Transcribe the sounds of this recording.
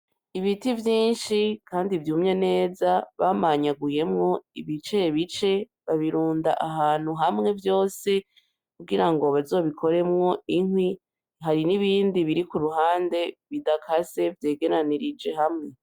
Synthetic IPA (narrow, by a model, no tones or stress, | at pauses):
iβitivjiːnʃikʰaːndivjuːmɲene̞ːzaβamaɲaɡuje̞mŋo̞iβit͡ʃeβit͡ʃe̞ | βaβiɾuːnda̰ʔaɦaːn̥huɦamŋe̞vjo̞ːse̞ | kuɡiɾaŋɡo̞βazo̞ːβikʰo̞ɾe̞mŋo̞iŋwi | ɦaɾiniβiːndiβiɾikuɾuɦaːnde̞βidakʰase̞vje̞ːɡe̞ɾaniɾid͡ʒe̞ɦamŋe̞